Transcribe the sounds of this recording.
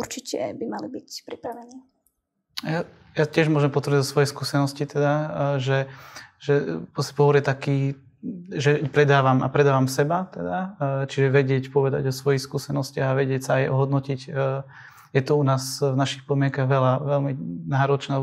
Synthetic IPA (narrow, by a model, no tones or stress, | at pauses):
uɾt͡ʃicɛ̰bimalibicpɾipɾaʋɛniː | ja | jacɪɛʒmʊɔʒɛmpɔt̪ʋɾɲzɔsʋɔjɛskuːsɛnɔscit̪ɛd̪aʒɛʒɛpɾɔscɛ̥pɔɦɔɾjɛt̪akiː | ʒɛpɾɛd̪aːʋama̰pɾɛd̪aːʋamsɛbat̪ɛd̪at͡ʃiʒɛʋɛɟɪɛcpɔʋɛd̪a̰ɟɔsʋɔjixskuːsɛnɔscaɣaʋɛɟɪɛcsaːjɔ̰ɦɔd̪nɔcic | jɛt̪ɔunaːsvnaʃixpɔd̪mɪɛŋkaɣʋɛlaʋɛlminaːɾɔt͡ʃnɛ